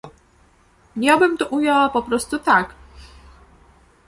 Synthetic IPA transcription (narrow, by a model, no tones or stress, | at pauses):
ɲabɘmt̪ɔʔujawapɔpɾɔst̪ut̪ak